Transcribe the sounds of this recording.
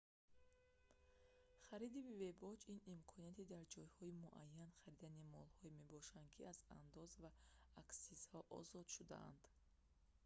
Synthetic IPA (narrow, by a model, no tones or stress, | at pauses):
χaɾid̪ibve̞bɔd͡ʒinimkʰɔniat̪ʰid̪aɾd͡ʒɔjhɔimuʔajːanχaɾid̪animɔlhɔime̞bɔʃand̪̚kʰiaza̰nd̪ɔzvaːksiz̥hɔʔɔ̰zɔd̪ʃud̪a̰a̰nd̪̥